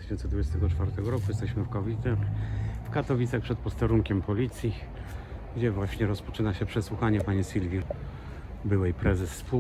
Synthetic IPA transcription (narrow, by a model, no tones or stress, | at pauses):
ʃɕɛnt̪sɛd̪vud͡ʑɛst̪ɛɡɔt͡ʂfaɾt̪ɛɡɔɾɔkujɛst̪ɛɕmɘfkavʲit̪saxfkat̪ɔvʲit̪saxpʂɛt̪̚pɔst̪ɛɾuŋkʲɛmpɔlʲit̪sʲji | ɡd͡ʑɛvwaɕɲɛɾɔspɔ̥t͡ʂɘnaɕɛpʂɛswuxaɲɛpaɲisʲilvʲji | bɘwɛjpɾɛzɛsːpu